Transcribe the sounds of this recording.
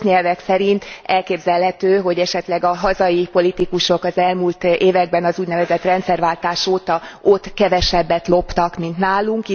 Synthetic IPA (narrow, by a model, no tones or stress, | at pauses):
ɲɛlvɛksɛɾint̪ɛlkeːbzɛlɦɛt̪øːɦo̞ɟɛʃɛt̪lɛɡɒɦɒzɒjipo̞lit̪ikuʃo̞kɒzɛlmult̪ʔeːvɛɡ̚bɛnɒzuːɟnɛvɛzɛt̪rɛnt̪sɛrvaːlt̪aːʃoːt̪ɒo̞t̪kɛvɛʃɛbːɛt̪lo̞pt̪ɒkmint̪naːluŋki